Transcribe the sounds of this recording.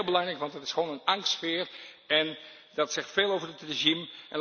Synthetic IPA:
lˠbəlɑŋrɛjkʋɑntdɑtɪsχəʋoːnənɑŋstsfɪːər | ɛn | dɑtsɛχtfeːlˠowvərətreʒimʔɛnl

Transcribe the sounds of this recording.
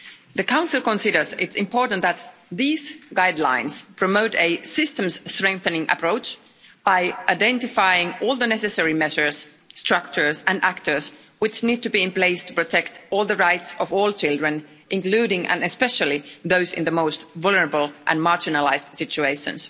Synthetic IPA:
ðɨkãʊ̃nsɪl̩ˠkɔ̃nsɪɾə˞zɪtsɪ̃mpʰɔɹtn̩t̪ðæt̪ðiːz̥ɡaɪdˡlã̰ɪ̃nspʰɹ̥ɔmoʊtesɪstə̃mstɹ̥ɛ̃ŋk̚θə̃nɪ̃ŋʔə̰pʰɹ̥oʊt͡ʃ | b̥aɪʔaɪdɛ̃ntɪfaɪɪ̃ŋɔːlˠðənɛsɨsɛɹimɛʒə˞s | stɹ̥ʌkt͡ʃə˞sæ̃næktə˞s | wɪt͡ʃnid̚tɨbiɪ̃mpleɪstʰu̥pɹɔtʰɛktɔːlˠðəɹaɪtsɔvɔːlˠt͡ʃɪlˠdɹə̃n | ʔɪ̃ŋkl̥ʉːɾɪ̃ŋʔæ̰̃nɨspɛʃəlˠiðoʊzɪ̰̃nðəmoʊstvʊlˠnə˞əbəl̩ˠʔæ̃nmɑɹd͡ʒɪnəlaɪzd̥sɪt͡ʃʉeɪʃə̰̃ns

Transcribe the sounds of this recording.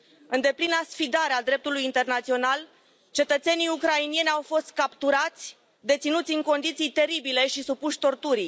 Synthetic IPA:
ɨnd̪e̞plinasfid̪aɾead̪ɾe̞p̚t̪ulujint̪e̞rnat̪sio̞nal | t͡ʃe̞t̪ət̪se̞nijukɾainije̞nʲawfo̞st̪̚kapt̪uɾat̪sʲ | d̪e̞t̪sinut̪sʲɨŋko̞nd̪it̪sijt̪e̞ɾibile̞ʃisupuʃʲt̪o̞rt̪uɾij

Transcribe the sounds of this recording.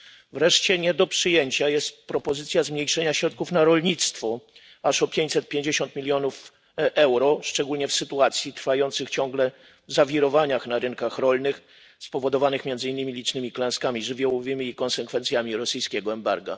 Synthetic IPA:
vɾɛʂt͡ɕɛɲɛd̪ɔpʂɘjeɲt͡ɕajɛst̪̚pɾɔpɔzɘt̪sʲjazmɲejʂɛɲaɕɾɔt̪̚kufnaɾɔlɲit̪st̪fɔ | aʂɔpʲjeɲt͡ɕʲsɛt̪̚pʲjeɲd͡ʑeɕɔnt̪mʲilʲjɔnuf | ɛwɾɔʂt͡ʂɛɡulɲɛfsɘt̪uat̪sʲjit̪ɾfajɔnt̪sɘxt͡ɕɔŋɡlɛ | vzavʲiɾɔvaɲaxnaɾɘnkaxɾɔlnɘx | spɔvɔd̪ɔvanɘxmʲɛndzɘinːɘmʲilʲit͡ʂnɘmʲiklɛ̃nskamʲiʐɘvʲjɔwɔvɘmʲiːkɔnsɛkfɛnt̪sʲjamʲiɾɔsɘjskʲɛɡɔɛmbaɾɡa̰

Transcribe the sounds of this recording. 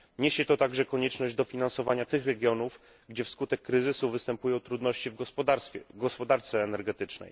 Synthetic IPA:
ɲeɕɛt̪ɔt̪aɡʐɛkɔɲɛt͡ʂnɔʑd͡ʑd̪ɔfʲinansɔvaɲat̪ɘxɾɛɡʲjɔnuf | ɡd͡ʑɛfskut̪ɛkːɾɘzɘsuvɘst̪ɛmpujɔ̃w̃t̪ɾud̪nɔɕt͡ɕivʲ | ɡɔspɔd̪aɾt̪sɛːnɛɾɡɛt̪ɘt͡ʂnɛ̰j

